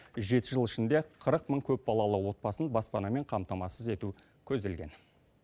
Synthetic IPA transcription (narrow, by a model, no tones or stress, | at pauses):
ʒe̞t̪ɪʒəlˠɪʃɪnd̪e̞qʰəɾəqməɴkʲʰɵp̚bɑlˠɑlˠəwo̞t̪̚bɑsənbɑspɑnɑme̞ɴqʰɑmt̪ɑmɑsəze̞t̪u | kʲʰɵzd̪e̞lɡʲe̞̰n